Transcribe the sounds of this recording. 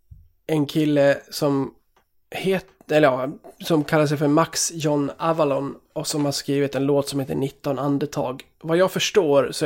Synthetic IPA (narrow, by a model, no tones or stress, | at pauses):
ɛnkʰɪlːəsɔm | heːt̪ɛlːəjɑsɔmkʰalːaʂ̬ɛjfœɾmaksjɔnːavalɔn | ɔsɔmhaʂkɾiːvɪt̪ɛnloːt̪sɔmheːt̪ə̰ɳɪt̪ːɔnand̪ət̪ʰɑ̰ːɡ | vajɑːɡfœʂʈoːɾsɔ